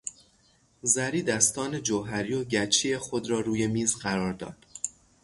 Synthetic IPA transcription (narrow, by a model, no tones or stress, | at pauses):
zæɾiːd̪æst̪ɒːne̞d͡ʒoɦæɾiːjoɟæt͡ʃʰijexod̪ɾɒːɾuːje̞miːzɢæɾɒːɾd̪ɒ̰ːd̪̥